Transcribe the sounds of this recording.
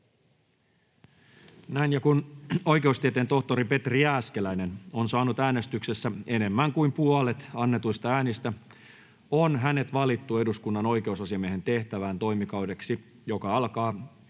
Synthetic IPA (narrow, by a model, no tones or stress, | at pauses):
næjnjɑkuno̞jk̟e̞ust̪iet̪ent̪o̞ht̪o̞ɾipe̞t̪riæːske̞læjne̞no̞nsɑːnut̪æːne̞st̪ykse̞sːæe̞ne̞mːæŋkuimpuɑle̞t̪ɑnːe̞t̪ujst̪ɑæːnist̪æ | onɦæne̞t̪ʋɑlit̪ːue̞duskunːɑno̞jkeusɑsiɑmieɦe̞nt̪e̞ht̪æʋæːnt̪o̞jmikɑwde̞ksi | jo̞kɑɑlkɑː